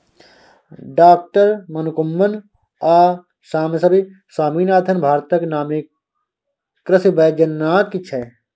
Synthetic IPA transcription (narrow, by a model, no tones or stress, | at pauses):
ɖaːk̚ʈəɾmɐnukumːɐn | aː | saːmesɐbi | saːmiːnaːt̪ʰɐnbʱaːɾt̪ɐknaːmi | kɾɐsibɐd͡ʒɐnːaːt̪kit͡ʃʰɛ